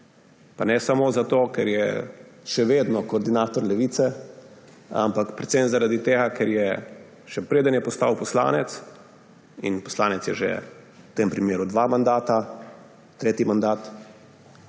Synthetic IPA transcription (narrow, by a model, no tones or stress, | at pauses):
panɛsamoːzat̪oːkɛɾjɛ̰ʃɛʋeːd̪nɔkɔːɾd̪inaːt̪ɔɾlɛʋiːt̪sɛ | a̰mpakpɾɛt̪semzaɾad̪it̪eːɡakɛɾjɛ | ʃɛpɾeːd̪ənjɛpɔst̪a̰ːwpɔsla̰ːnɛt̪s | ḭnpɔ̥slaːnɛt̪sjɛʒḛ | t̪empɾimeːɾud̪ʋamand̪aːt̪a | t̪ɾeːt̪imand̪aːt̪